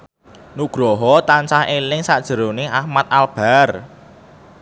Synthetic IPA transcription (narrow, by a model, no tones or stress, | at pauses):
nuɡ̥ɾɔɦɔt̪ant͡ʃahelɪŋsaʔd̥ʒ̥ə̤ɾoneʔahmat̪̚alb̥ar